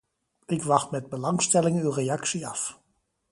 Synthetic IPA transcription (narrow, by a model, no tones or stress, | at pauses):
ʔɪkʋɑχtmɛd̚bəlɑŋstɛlɪŋnywreɑksiɑf